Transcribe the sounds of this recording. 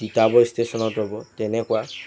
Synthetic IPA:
kit̪abɔist̪ʰesɔnɔt̪ebɔt̪enekua

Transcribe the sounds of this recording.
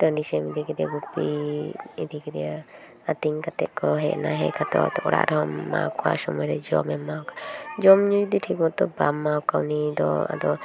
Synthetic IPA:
ʈəɳɖisɛmid̪ʱikid̪ia̰ɡupːi | id̪ikid̪ija | at̪iŋkat̪ɛʔ̪̚kɔɦɛʔnaɦɛkʰat̪ɔ̰ɔ̰t̪ɔʔɔɽa̰ʔɾɔɦɔmːa̰wkʰɔwa̰sɔmɔjɾɛd͡ʒɔmɛmːawkad͡ʒɔmɲud͡ʒd̪iʈʰikmɔt̪ɔbamːawkaunid̪ɔa̰d̪ɔ

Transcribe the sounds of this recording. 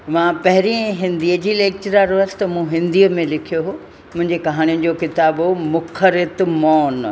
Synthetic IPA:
mãpɐɦɪɾĩɦɪ̃nd̪iəd͡ʑiːleːk̚t͡ɕəɾaːɾoəsɪ̥t̪ɐmũɦɪ̃nd̪iːəmẽlɪkʰijoɦo | mʊ̃ɦɪ̃ɲd͡ʑekɐɦaːɽ̃ijʊnɪ̆d͡ʑoːkɪt̪aːbɦomʊxʰəɾɪt̪mɔːn

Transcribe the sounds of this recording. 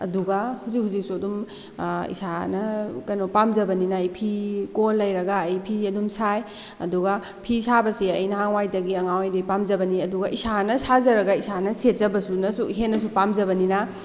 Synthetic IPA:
ɐ̰duɡahuzikhuzik̚suɐdum | ḭsanɐkɐjnopamd͡ʒɐbɐninɐːjpʰikolːɐjɾɐɡaːjpʰiɐdumsaj | ɐ̰duɡa | pʰisabɐsiɐjnɐɦaŋwajdɐɡiɐŋawajdɐipamd͡ʒɐbɐniɐduɡɐʔisanɐsazɐɾɐɡɐisanɐsetzɐbɐsunɐsuɦenːɐs̬upamd͡ʒɐbɐnina

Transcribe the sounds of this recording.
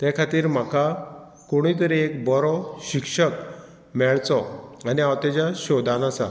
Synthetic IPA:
t̪ɛkʰat̪iːɾm̤aka | koɽ̃it̪̬əɾiekbɔɾɔɕikʂək | mɛɭt͡sɔaniawt̪ɛd͡ʑaɕɔd̪ãnasa̰

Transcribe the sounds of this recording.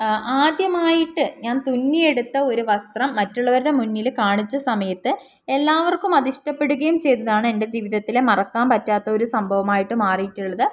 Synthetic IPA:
aːd̪jɐmaːjiʈːɨɲaːnt̪unːije̞ɽut̪ːɐo̞ɾuʋɐst̪rɐmːɐtːuɭːɐʋɐɾuɽe̞munːilkaːɳit͡ɕːɐsɐmɐjɐt̪ːɨ | e̞lːaːʋɐrkumɐðiʂʈɐpːe̞ɽuɣɐjumt͡ɕe̞jt̪ːɐðaːɳɨende̞d͡ʑiːʋiðɐt̪ːilemɐrɐkːaːmpɐtːaːt̪ːɐo̞ɾusɐmbʱɐʋɐmaːjiʈːɨmaːrijitʲːuɭːɐðɨ

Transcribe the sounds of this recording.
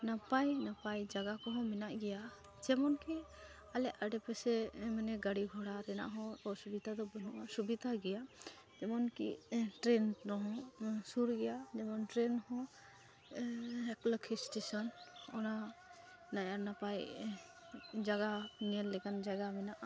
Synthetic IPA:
napajnapajd͡ʒaɡakɔɦɔ̃mɛnaʔɡɛja | d͡ʒɛmɔnki | alɛʔaɖɛpɛsɛmanɛɡaɽiɡʱɔɽaɾɛna̰ʔɦɔ̃ɔsubid̪ʱad̪ɔbɔnuʔasubid̪ʱaɡɛja | d͡ʒɛmɔnkḭʈɾɛnɾɔɦɔ̃suɾɡɛjad͡ʒɛmɔnʈɾɛnhɔ̃ | ɛklɔkʰisʈesɔnɔna | najaɾnapaj | d͡ʒaɡanɛlːɛkand͡ʒaɡamɛnaʔ

